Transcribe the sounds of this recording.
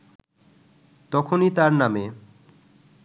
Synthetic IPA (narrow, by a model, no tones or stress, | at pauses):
t̪ɔkʰonit̪aɾname